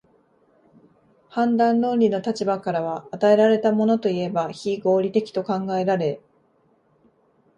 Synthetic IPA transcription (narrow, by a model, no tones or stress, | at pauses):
hãnd̪ãnːõ̞ɾʲino̞t̪at͡ɕibakaɾaβ̞aːt̪ae̞ɾaɾe̞t̪amo̞no̞t̪o̞ie̞baçiɡo̞ːɾʲit̪e̞kʲi̥t̪o̞kãŋɡae̞ɾaɾe̞